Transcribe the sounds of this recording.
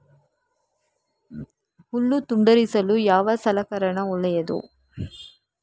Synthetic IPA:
huɭːut̪uɳɖɐɾisɐlujaːʋɐsɐlɐkɐɾɐɳɐuɭːɐjɐd̪ṵ

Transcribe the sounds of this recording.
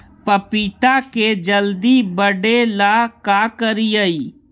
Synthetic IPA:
pəpit̪aked͡ʒəld̪ibəɖelakaːkəɾiəiː

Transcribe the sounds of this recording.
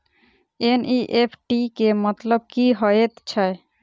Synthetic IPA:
enʔiʔepʰʈikemɔt̪lob̚kiɦɔjet̪t͡ɕʰae

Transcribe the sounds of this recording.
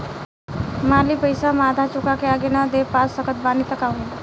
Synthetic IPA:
malipəjsamad̪ʱat͡ʃukakeaɡenad̪epasːəkʰət̪̚banit̪əkaɦũ

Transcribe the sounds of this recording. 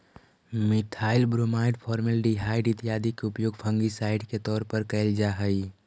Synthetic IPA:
mɪt̪ʰaːɪlbɾomaːɪɖpʰɔːɾməlɖiɦaːɪɖit̪ijaːd̪ikeʊpjoːɡpʰə̃ŋɡisaːɪɖket̪ɔːɾpəɾkəld͡ʒaɦəi

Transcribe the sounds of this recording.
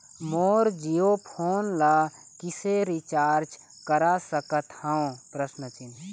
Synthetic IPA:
moːɾd͡ʒijopʰoːnla | kiseɾit͡ʃaːɾt͡ʃ | kəɾasəkət̪hãõpɾəsnət͡ʃin

